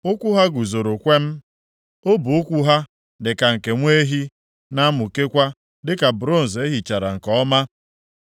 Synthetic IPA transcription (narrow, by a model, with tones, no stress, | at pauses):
ʊ˦kʷu˦ɦa˦ɡu˨zo˨ɾo˨kʷe˦m̩˦ | o˦bu˨o˦kʷu˦ɦa˦ | dɪ˨ka˨ŋ̩˨ke˨ŋʷe˦ɦi˦ | na˦mʊ˨ke˦kʷa˦ | dɪ˦ka˨bɾo˦˨n̩˨ze˦ɦi˨t͡ʃa˨ɾa̰˨ŋ̩˨kɔ˨ɔ˦ma˦